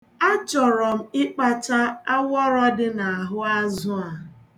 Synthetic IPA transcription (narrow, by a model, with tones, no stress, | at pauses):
a˦t͡ʃɔ˨ɾɔ˨m̩˨ɪ˦k͡pa˨t͡ʃa˦a˦wɔ˦ɾɔ˦dɪ˦na˨a˨ɦʊ˦a˦zʊ˦a˨